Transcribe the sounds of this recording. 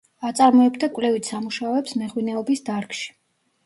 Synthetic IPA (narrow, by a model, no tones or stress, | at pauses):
at̪sʼaɾmɔɛbd̪akʼvlɛvit̪ʰsamuʃaɔɛpsmɛʁwinɛɔbisd̪aɾkʃi̥